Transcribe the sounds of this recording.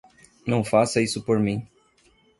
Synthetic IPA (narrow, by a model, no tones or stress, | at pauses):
nɐ̃w̃fasɐisʊpoɾmĩ